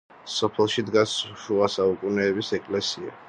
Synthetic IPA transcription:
sɔpʰɛlˠʃid̪ɡasʃuasaukʼunɛːbisɛkʼlɛsia̰

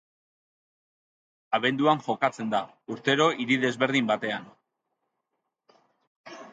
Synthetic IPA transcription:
aβe̞nd̪uaŋʝo̞kat͡se̞nd̪a | uɾt̪e̞ɾo̞ʔiɾiðe̞zβe̞ɾðimbat̪e̞an

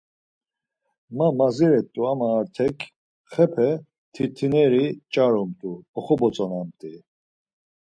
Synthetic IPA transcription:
mamaziɾɛt̪ʼuamaːɾt̪ʰɛkʰ | χɛpʰɛ | t̪ʰit̪ʰinɛɾit͡ʃʼaɾɔmt̪ʼuɔχɔbɔt͡sʼɔnamt̪ʼi

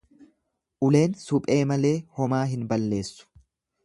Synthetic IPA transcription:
ʔʊle̞ːnsʊpʼe̞ːmɐle̞ːhɔmaːɦɪnbɐlːe̞ːsːʊ̥

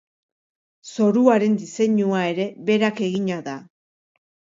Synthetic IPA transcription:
so̞ɾuaɾe̞nd̪ise̞ɲuae̞ɾe̞βe̞ɾake̞ɣiɲaða

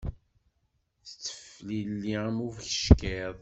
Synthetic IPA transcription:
θə̥t͡sːə̥flilːiəmuvçə̥ʃkeðˤ

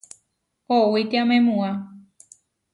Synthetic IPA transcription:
hoʔwit̪eãmẽmũã

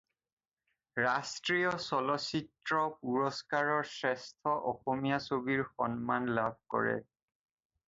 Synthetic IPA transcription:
ɹastɹijɔsɔlɔsitɹɔpuɹɔskaɹɔɹsɹɛstʰɔʔɔxɔmijasobiɹxɔnmanlabʱkɔ̰ɹɛ̰

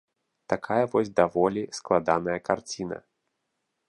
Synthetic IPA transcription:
t̪akʰajɐvɔsʲd̪avɔlʲisklˠad̪anɐjɐkart͡sʲinɐ̰

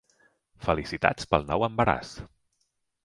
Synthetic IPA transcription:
fəlisit̪a̰t͡spəlˠnɔwəmbəɾa̰s

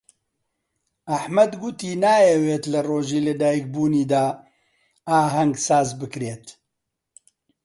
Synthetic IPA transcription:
aħmɐd̪ɡʊt̪iːnaːjɛweːt̪lɐroːʒiːlɨd̪aːjik̚buːniːd̪aː | aːɦɐŋɡsaːzbɨkɾeːt̪

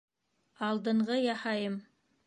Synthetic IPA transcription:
ɑlˠd̪ɤ̆ɴʁɤjɑhɑjəm

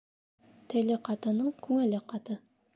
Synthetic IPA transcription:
t̪ʰɘ̆lɘqɑt̪ɤ̆nɤɴkʰʉŋɘ̆lɘqɑt̪ɤ

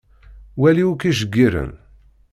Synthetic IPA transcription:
wæliukiʒəɡːiɾə̰n

